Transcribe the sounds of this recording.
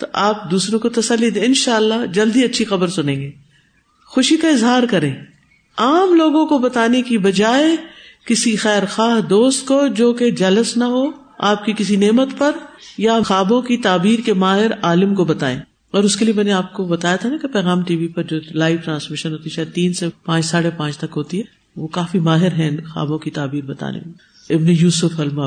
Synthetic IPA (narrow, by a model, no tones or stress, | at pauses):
t̪o̰ʔaːp̚d̪uːsɾõkot̪ɐsɐlːid̪ẽːɪnʃaːəlːaɦd͡ʒɐld̪iɐtːʃʰixɐbəɾsʊnẽːɡeː | xʊʃikaɪzɦaːɾkɐɾẽː | aːmloːɡõkobɐt̪aːnekibɐd͡ʒaːekɪsixɛːɾxaːɦd̪oːst̪̚kod͡ʒoːked͡ʒɐləsnɐɦo | aːp̚kikɪs̬ineːmət̪pɐɾjaxaːbõkit̪aːbiːɾkemaːɦɪɾaːlɪmkobɐt̪aːḛ̃ː | ɔːɾʊskeliemɛːneaːp̚kobɐt̪aːjat̪ʰanakepɛːɣaːmʈiːʋipɐɾd͡ʒoːlaːɪʋʈɾãːsmɪʃənɦoːt̪iɛʃaːet̪iːnsepãːt͡ʃsaːɽepãːt͡ʃt̪ɐkɦoːt̪iɦɛː | ʋoːkaːfimaːɦɪɾɦɛ̃xa̰ːbõkit̪aːbiːɾbɐt̪a̰ːnḛme | ɪbnejuːsʊfɐlmaː